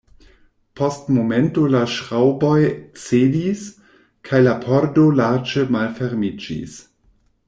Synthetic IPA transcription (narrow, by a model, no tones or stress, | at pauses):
postmomentolaʃɾawbojt͡sedis | kʰajlapʰoɾdolaɾd͡ʒemalfeɾmid͡ʒḭs